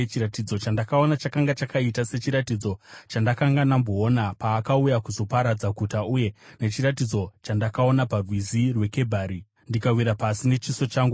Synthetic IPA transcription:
t͡ʃiɾatid͡zo̞t͡ʃandakaonat͡ʃakaŋɡat͡ʃakaitase̞t͡ʃiɾatid͡zo̞t͡ʃandakaŋɡanamboːnapaːkaujakuzo̞paɾad͡zakutauje̞ne̞t͡ʃiɾat̬id͡zo̞t͡ʃandakao̞naparwizirwe̞ke̞bʱaːɾi | ndikawiɾapasine̞t͡ʃiso̞t͡ʃaːŋɡu

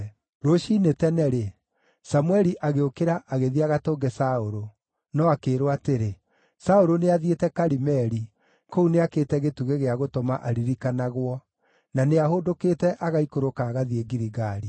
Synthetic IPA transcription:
ɾoʃiːnetɛnɛɾe | samuwɛɾiʔaɣeokeɾaʔaɣeðiaɣatoːŋɡɛsaoɾo | nɔakeːɾowateɾe | saoɾoneaðietɛkaɾimɛɾi | kouneakeːtɛɣetuɣeɣeaɣotɔmaʔaɾiɾikanaɣwɔ | naneaɦodokeːtɛʔaɣaikoɾokaːɣaðieɡiɾiɣaɾi

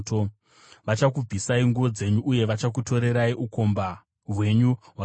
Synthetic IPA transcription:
to | ʋat͡ʃakub͡vʱisaiŋɡuʋo̞d͡ze̞ɲuʔːje̞ʋat͡ʃak̬uto̞ɾe̞ɾaiʔuko̞mba | ɦwe̞ɲuɦwa

